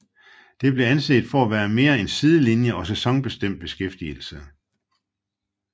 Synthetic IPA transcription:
d̥e̝b̥le̝ænse̝̰ːd̥fɒ̽æʋæːɐme̝ːɐe̝nsið̞ˠəlinjəʔɒ̽sesɒ̽ŋb̥e̝sd̥em̰d̥̚b̥e̝sɡ̥efd̥iəl̩sə

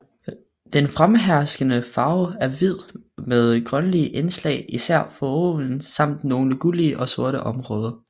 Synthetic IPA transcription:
d̥enfʁamɦæɐsɡ̥ənəfɑ̈ʊæɐʋið̞̰ˠmeð̞ˠɡ̥ʁɶnəliʔenslɛ̰ɪisæɐ̰fɒ̽on̩sɑ̈m̰d̥no̝ːn̩ɡ̥uliəʔɒ̽so̝ɐɾəʔɒ̽mʁɔ̽ːð̞ˠɐ

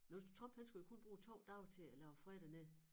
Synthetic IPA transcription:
nosd̥u̥t͡sʰʁɒ̽mb̥hænsɡ̥ujokʰo̽nb̥ʁuːt͡sʰɒ̰ʊd̥ɑ̈ʊ̰t͡sʰe̝ælɛʊfʁɛd̥ɐneðˠ

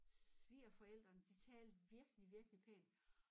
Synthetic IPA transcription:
ʋiːɐfɒ̽el̰d̥ʁɐnd̥it͡sʰɛːld̥ʋiɐɡ̥əliʋiɐɡ̥əlipʰɛ̰ːn

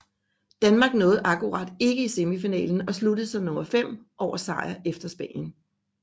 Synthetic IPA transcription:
d̥ænmɑ̈ːɡ̥nɔ̽ːð̞̩ˠʔækuʁɑ̈d̥e̝ɡ̥əise̝mifinɛ̰ːln̩ɒ̽slud̥əð̩ˠsɒmnɔ̽mɐfem̰ʔɒʊ̰ɐsɑ̈ɪɐefd̥ɐsb̥ɛ̰ːnjən

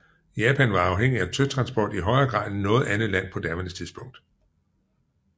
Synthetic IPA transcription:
jɛːpʰænʋɑ̈ɑ̈ʊɦeŋ̰iæt͡sʰøt͡sʰʁɑ̈nsb̥ɒ̰ːd̥iɦɒ̽ɪɐːɡ̥ʁɑ̰̈ːðˠnɔ̽ːð̩ˠænð̩ˠlæn̰pʰɒ̽d̥æɐʋənəst͡sʰiðˠsb̥ɔ̽ŋ̰d̥

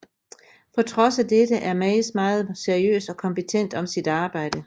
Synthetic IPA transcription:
pʰɒ̽t͡sʰʁɒ̽sæd̥ed̥əʔæɐmɛɪsmɑ̈ːð̞̩ˠse̝ɐiø̰ːsɒ̽kʰɒ̽mpet͡sʰen̰d̥ɒ̽msid̥ɑ̈ːb̥ɑ̈ɪ̰d̥ə

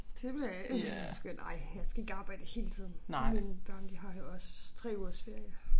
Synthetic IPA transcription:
d̥eʋelæsɡ̥ønʔɑ̈ɪ̰jɑ̈ɪsɡ̥æe̝ɡ̥ɑ̈b̥æd̥ehe̝̰ːlət͡sʰiðˠn̩menb̥ɶɐnd̥iɦɑ̈jo̝ɒ̽st͡sʰʁɛ̰ːuɐ̰sfe̝ɐ̰jə

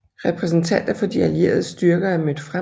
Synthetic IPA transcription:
ʁɛpʰʁɛs̬n̩t͡sʰæn̰d̥ɐfɒ̽d̥iælje̝̰ːɐð̞ˠəsd̥yɐɡ̥ɐæɐmød̥fʁa

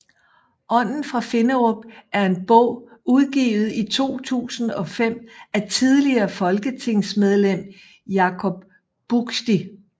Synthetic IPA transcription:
ʔɒ̽n̰n̩fʁɑ̈fe̝nəʁob̥æɐe̝nb̥ɔ̽ʊ̰uð̞ˠɡ̥ḭːʊð̞̩ˠit͡sʰo̝̰ːt͡sʰṵːsn̩ɒ̽fem̰æt͡sʰið̞ˠliɐːfɒ̽lɡ̥ət͡sʰe̝ŋ̰smeð̞ˠlem̰ | jɑ̈kʰɒ̽b̥ː | uɡ̥sd̥i

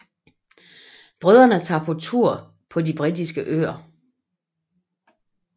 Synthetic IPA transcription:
b̥ʁœð̞ˠɐnət͡sʰɑ̰̈ːpʰɒ̽t͡sʰuɐ̰ | pʰɒ̽dib̥ʁid̥isɡ̥əʔø̰ːɐ

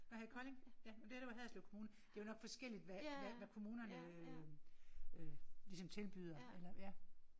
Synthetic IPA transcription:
ɒhækʰɒ̽le̝ŋjæmd̥eæɐɾ̥eʋɑɦæðˠsloʊkʰo̝muːnɐd̥e̝æjonɒ̽ɡ̥fɒ̽sɡ̥el̰id̥ʋæʋæʋækʰo̝muːnɐnəø | ølisɒ̽mt͡sʰe̝lb̥yð̞ˠɐelɐjæ

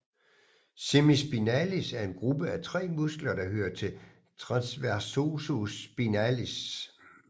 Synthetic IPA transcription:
semisb̥inælisæɐe̝nɡ̥ʁub̥əæt͡sʰʁɛ̰ːmusɡ̥lɐd̥ɑ̈hø̰ːɐt͡sʰe̝l | t͡sʰʁɑ̈nsʋæɐso̝sosb̥inælis

